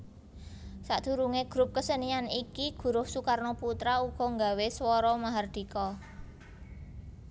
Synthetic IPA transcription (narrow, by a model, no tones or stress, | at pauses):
saʔd̪̥ṳɾuŋeɡ̥ɾʊp̚kəsənianikiɡ̥ṳɾʊhsukarnɔput̪ɾauɡ̥ɔ̤ŋɡa̤weswɔɾɔmaɦard̪̥i̤kɔ